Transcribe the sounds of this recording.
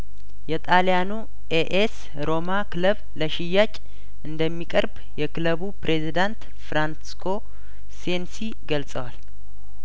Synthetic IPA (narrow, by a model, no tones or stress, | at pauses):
jɛt̪ʼalijanu | ʔeʔes | ɾo̞makʰɨləβ | ləʃɪjːat͡ʃʼ | ʔɨnd̪əmːikʼəɾb | jɛkɨləβupɾʔezid̪ant̪ | fɾansi̥skʰo̞ | sensi | ɡəlsʼəwal